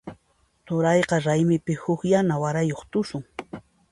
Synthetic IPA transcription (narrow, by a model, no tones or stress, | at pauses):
t̪ʊɾɑjqɑɾajmɪpɪhʊkjanawaɾajoχt̪ʊsʊŋ